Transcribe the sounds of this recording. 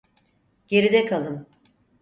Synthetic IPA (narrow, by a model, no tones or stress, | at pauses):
ɟe̞ɾid̪ɛkʰalˠɯm